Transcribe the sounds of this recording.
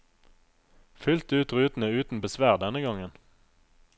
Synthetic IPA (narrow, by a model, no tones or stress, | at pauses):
fʏlt̪ʉːt̪ʁʉːt̪n̩əʉːt̪n̩bəsʋæːʁd̪ɛnəɡɑŋən